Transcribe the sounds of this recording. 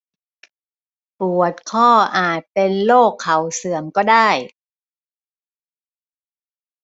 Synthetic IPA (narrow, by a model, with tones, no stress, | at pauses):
pu˨˩ət̪̚kʰɔː˥˩ʔaː˨˩t̪̚pe˧nloː˥˩kʰːa˨˩wsɯ˨˩˦əmkɔː˥˩daː˥˩j